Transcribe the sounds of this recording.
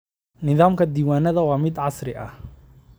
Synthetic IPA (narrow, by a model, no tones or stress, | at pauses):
nɪðaːmkʰɐd̪iːwaːnɐðɐwɑːmɪd̪ʕɑsɾɪʔɐ̰h